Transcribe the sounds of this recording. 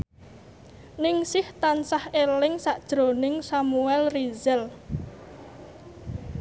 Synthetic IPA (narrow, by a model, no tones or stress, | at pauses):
nɪŋsɪht̪ansahelɪŋsaʔd̥ʒ̥ɾonɪŋsamuɛlrizɛl